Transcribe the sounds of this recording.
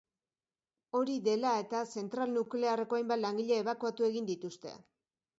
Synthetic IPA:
o̞ɾiðe̞lae̞t̪ase̞nt̪ɾalnukle̞are̞ko̞ajmbat̪laŋɡiʎeeβ̞akuat̪ue̞ɣind̪it̪ust̪e̞̰

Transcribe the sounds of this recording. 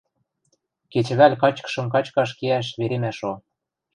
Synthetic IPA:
ket͡ɕβælʲkɑt͡ɕkɤ̥ʃɤ̆mkɑt͡ɕkɑʃkeæʃ̬βeɾemæʃo

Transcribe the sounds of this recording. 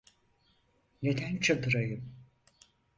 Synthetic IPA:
ne̞d̪ænt͡ʃʰad̪ɯɾajɯm

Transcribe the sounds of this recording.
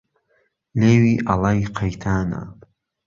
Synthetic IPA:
leːwiʔalajqʰajt̪ʰaːna̰

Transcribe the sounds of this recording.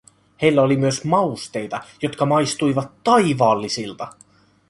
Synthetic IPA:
he̞jlːæolimyøsmɑust̪e̞jt̪ɑjot̪kɑmɑjst̪ujʋɑt̪ːɑjʋɑːlːisilt̪ɑ

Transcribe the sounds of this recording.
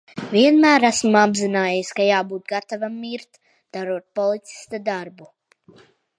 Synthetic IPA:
vʲiɛnmæːɾæsmabzinaːjɛjiskajaːbuːt̪̚ɡat̪avamːiɾt̪ | d̪̥aɾuɔt̪̚pɔlˠit̪si̥st̪ad̪aɾbu

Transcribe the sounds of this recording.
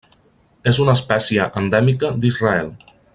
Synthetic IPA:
ezunəːspɛsiəʔənd̪ɛmikəd̪izraɛlˠ

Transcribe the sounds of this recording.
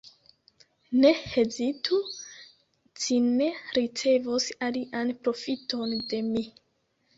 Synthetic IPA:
ne̞hezitʰu | t͡ʃine̞ɾit͡se̞vosaliʔanpɾo̞fito̞nde̞mi

